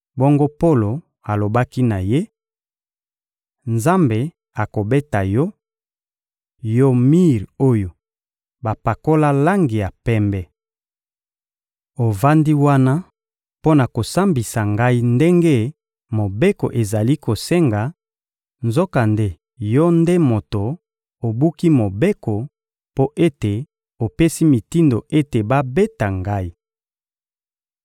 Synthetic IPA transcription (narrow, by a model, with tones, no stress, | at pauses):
bɔ˦ŋɡo˦po˦lo˨ | a˨lo˨ba˦ki˦na˨je˦ | nza˦mbe˨ | a˨ko˨be˦ta˨jɔ˦ | jo˦mi˦ʁo˦jo˨ | ba˨pa˨ko˦la˦la˦ŋɡi˨ja˨pɛ˦mbɛ˦ | o˨va˦ndi˦wa˦na˦ | po˦na˨ko˨sa˦mbi˨sa˨ŋɡa˦i˦nde˦ŋɡe˦ | mo˨be˦ko̰˨ʔe˨za˨li˦ko˨sɛ˦ŋɡa˨ | nzo˦ka˨nde˦ | jɔ˦nde˦mo˨to˨ | o˨bu˦ki˦mo˨be˦ko˨ | po˦ʔe˦te˨ | o˨pe˦si˦mi˨ti˦ndo˨ʔe˦te˨ba˦be˦ta˨ŋɡa˦i˦